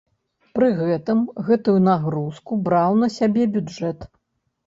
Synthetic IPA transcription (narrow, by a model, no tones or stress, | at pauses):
pɾɨɣɛt̪ɨmɣɛt̪ujunaɣɾuskubɾawnɐsʲabʲɛbʲud͡ʐɛt̪